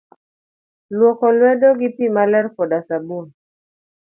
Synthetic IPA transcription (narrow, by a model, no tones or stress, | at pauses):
lwɔkɔlwɛdɔɡipimalɛɾkɔdasabun